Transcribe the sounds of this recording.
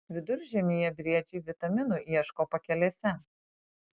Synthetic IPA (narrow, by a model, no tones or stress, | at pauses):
ʋʲɪd̪ʊɾʲʒʲɛmʲiːjɛbʲɾʲiɛd͡ʒʲɛɪʋʲɪt̪ɐmʲɪnuːˑʔiɛʃkoːpɐkʲɛlʲeːsʲɛ